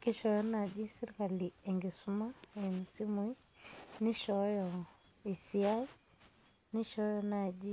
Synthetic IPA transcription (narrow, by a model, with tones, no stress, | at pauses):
ki˦ʃɔ˨jɔ˦na˨d͡ʒi˦si˦ɾka˨li˨ɛ˨ŋɡe˨su˦ma˦˨mu˨si˦mu˨˦i˦ | ni˦ʃɔ˨jɔ˨ | i˨si˦a˦i˦ | ni˦ʃɔ˦jɔ˨na˨d͡ʒi˦